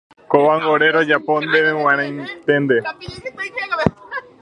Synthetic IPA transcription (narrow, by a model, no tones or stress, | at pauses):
koʋaŋɡoɾeɾod͡ʒapõnd̪eʋewãɾ̃ãjnt̪end̪e